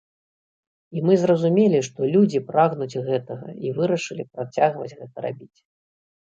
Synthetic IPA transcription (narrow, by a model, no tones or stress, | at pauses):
imɨzrɐzumʲelʲiʂt̪ɔlʲud͡zʲipɾaɣnud͡zʲɣɛt̪ɐɣɐ̰ivɨɾɐʂɨlʲipɾat͡sʲaɣvɐd͡zʲɣɛt̪ɐɾa̰bʲit͡sʲ